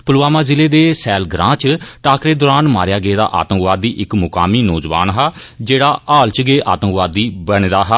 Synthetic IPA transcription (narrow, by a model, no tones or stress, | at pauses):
pəlaːmãːzɪleːd̪eːsɛːlɡɾã̰ːt͡ʃʈaːkɾeːd̪ɔːɾaːnma̰ːɾjaːɡeːd̪a̰ːʔa̰ːt̪əŋkʋaːd̪ːiːʔɪkmʊkaːmiːnɔːd͡ʒʋa̰ːnɦaːd͡ʒeːɽaːʔaːlt͡ʃɡeːʔa̰ːt̪ə̃ŋkʋaːd̪iːbəɳd̪aːɦaː